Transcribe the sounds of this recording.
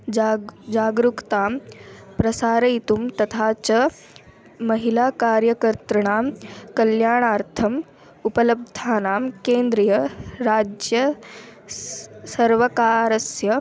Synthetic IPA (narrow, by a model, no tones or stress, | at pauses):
d͡ʒaːɡɾukt̪aːmpɾɐsaːɾɐit̪umt̪ɐt̪ʰaːt͡ʃɐ | mɐɦilaːkaːɾjɐkɐɾt̪ɾɐɳaːmkɐljaːɳaːɾt̪ʰɐm | upɐlɐb̚d̪ʱaːnaːmkeːnd̪ɾijɐɾaːd͡ʒjɐ | sɐɾʋɐkaːɾɐsjɐ